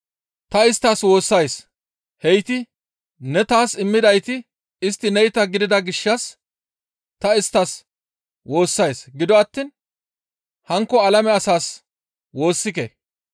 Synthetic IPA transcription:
t̪ɐɪst̪ːɐswo̞ːsːɐjs | hɛjt̪ɪ | nɛt̪aːsɪmːɪd̪ɐjt̪ɪ | ɪst̪ːɪnɛjɪt̪ɐɡɪd̪ɪd̪ɐɡɪʃːɐs | t̪ɐɪst̪ːɐs | wo̞ːsːɐjsɡɪd̪ɔɐt̪ːiːn | hɐŋkːɔɐlɐmɛɐsaːs | wo̞ːsːɪkḛ

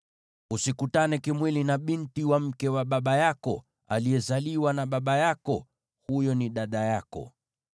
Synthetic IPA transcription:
usikutanɛkimwilinaɓintiwam̩kɛwaɓaɓajakɔ | a̰lijɛzaliwanaɓaɓajakɔ | hujɔniɗaɗajakɔ̰

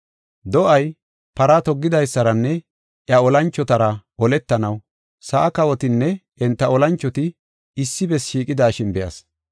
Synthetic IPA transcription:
d̪ɔʔɐj | pɐɾɐt̪ɔɡːɪd̪ɐjsːɐɾɐnːɛ | ʔjɐɔlɐnt͡ʃːɔt̪ɐɾɐʔɔlɛt̪ːɐnɐw | sɐʔːkɐwɔt̪ɪnːɛ | ɛnt̪ːɐɔlɐnt͡ʃːɔt̪ɪ | ɪsːɪbɛsʃiːkʼɪd̪aːʃɪnbɛjɐ̰s

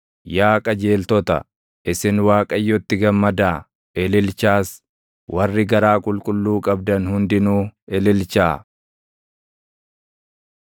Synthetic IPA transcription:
jaːkʼɐd͡ʒeːlt̪ɔt̪ɐ̰ | ʔɪsɪnwaːkʼɐjːɔt̪ːɪɡɐmːɐd̪aː | ʔɛlɪlt͡ʃaːs | wʔɐrːɪɡɐɾaːkʼʊlkʼʊlːuːkʼɐb̚d̪ɐnhʊnd̪ɪnuːɛlɪlt͡ʃaː

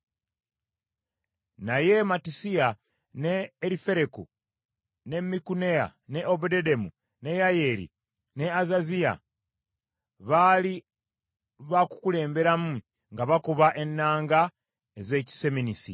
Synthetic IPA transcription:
naje̞matisia | ne̞ːɾife̞ɾekṵ | ne̞mikunea̰ne̞ʔobudede̞mu | ne̞jaje̞ɾḭ | ne̞azazija̰ | βali | βaku̥kule̞ːmbe̞ɾamu | ŋɡaβakuβaʔe̞nːaːŋɡa | eze̞ːci̥se̞minisḭ

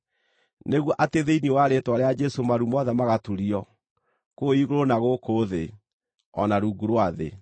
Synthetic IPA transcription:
neɣwɔʔateðeiniewaɾetwaɾead͡ʒɛsomaɾumɔðɛmaɣatuɾiɔ | koiɣoɾonaɣokoðe | ɔ̰naɾuːɡuɾwaðḛ

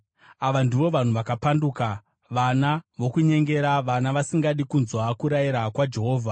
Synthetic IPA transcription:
aʋandiʋo̞ʋan̤uʋakapanduka | ʋanaʋo̞kuɲe̞ŋɡe̞ɾaʋanaʋasiŋɡaɗikunzwakuɾajiɾakwad͡ʒe̞ɦo̞ːvʱa

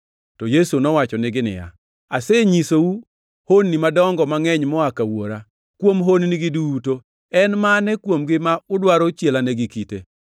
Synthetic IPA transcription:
tɔjesunɔwat͡ʃɔnɪɡɪnɪ̰ja̰ | asɛɲisowu | honːimadɔŋɡɔmaŋɛɲmɔakawoɾa | kwomɦonniɡɪduːto | ɛnmanɛkwomɡɪmaʊdwaɾɔt͡ʃelanɛɡikite

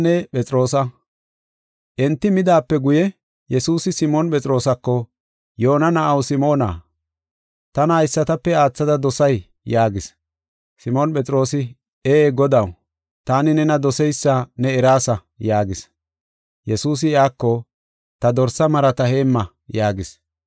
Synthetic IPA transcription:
nɛpɛt͡sʼɾo̞ːsɐ | ʔɛnt̪ːɪmɪd̪aːpːɛɡʊjɛ | jɛsuːsɪsɪmɔnpʼɛt͡sʼɾo̞ːsɐkːɔ | jo̞ːnɐnɐʔɐwsɪmo̞ːna̰ː | t̪ɐnaːɪsːɐt̪ɐpːɛaːt͡sːɐd̪ɐd̪ɔsɐj | jaːɡɪs | sɪmɔːnpɛt͡sʼɾo̞ːsɪ | eːɡɔd̪ɐw | t̪aːnɪnɛnɐd̪ɔsɛjsːanɛɛɾaːsɐ | jaːɡɪs | jɛsuːs̬ɪɪaːkːɔ | t̪ɐd̪ɔɾsɐmɐɾɐt̪ɐhe̞ːmːɐ | jaːɡɪs

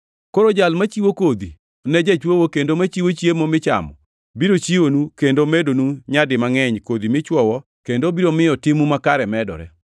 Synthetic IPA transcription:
koɾod͡ʒalmat͡ʃiwokod̪i | nɛd͡ʒɛt͡ʃwowokendomat͡ʃiwot͡ʃjemomɪt͡ʃa̰mɔ̰ | biɾot͡ʃiwonukendomedonuɲadɪmaŋɛɲkod̪imɪt͡ʃwɔwɔ | kendobiɾomɪjɔtɪmumakaɾɛmɛdɔ̰ɾɛ̰

